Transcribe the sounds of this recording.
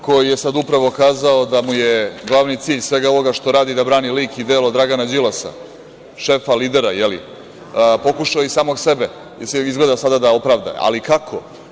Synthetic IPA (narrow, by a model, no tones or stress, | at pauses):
ko̞jijesad̪upɾaʋo̞kaːzaod̪amujeɡlˠaʋnit̪siːʎsvʋe̞ɡao̞ʋo̞ɡaʃt̪o̞ɾaːd̪id̪abɾaːniliːkid̪eːlod̪ɾaɡanad͡ʑilasa̰ | ʃeːfaliːd̪e̞ɾajelḭ | po̞kuʃaoisaːmo̞ɡse̞be | jseizɡled̪asad̪ad̪aopɾaʋd̪a̰a̰likakʰo